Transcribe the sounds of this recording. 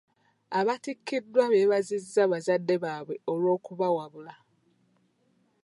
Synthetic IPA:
aβatikːidːwaβe̞ːβazizːaβazadːe̞βaːβwe̞olwo̞ːkuβawaβula

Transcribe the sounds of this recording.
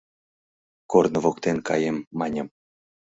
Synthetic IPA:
kornə̆vokt̪enkʰɑjemːɑnʲɤ̆m

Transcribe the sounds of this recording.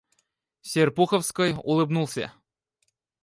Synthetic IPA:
sʲerpuxəwskɔjṵlˠɨbnulˠsʲa̰

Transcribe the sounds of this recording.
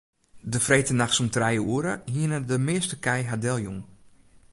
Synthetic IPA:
dəfrejtənaxsumtrɛjəuəɾəhiənədəmɪːstəkɛjɦadɛlˠjuŋ

